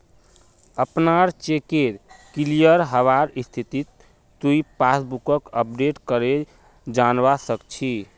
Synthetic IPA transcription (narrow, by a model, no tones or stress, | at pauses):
əpnaɾt͡ʃekeɾkilijəɾɦəβaɾist̪ʰit̪it̪ː | uipasbukəkəp̚ɖeʈkəɾe | d͡ʒanbasəkt͡ʃʰi